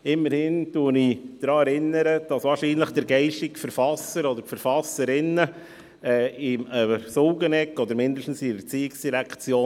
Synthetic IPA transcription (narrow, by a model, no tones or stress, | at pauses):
ɪmːəɾhɪntuənɪd̥ɾɑːɛɾɪnəɾəd̥ɑsvɑːɾʃiːnləχd̥əɾɡɛɪʃtɪkfəɾfɑsəɾɔd̪əɾfəɾfɑsəɾɪnə | ɛːɪməsolɡənɛkːɔd̪əɾmɪndəʃtn̩siət͡siːɪksd̥iɾækt͡sjoː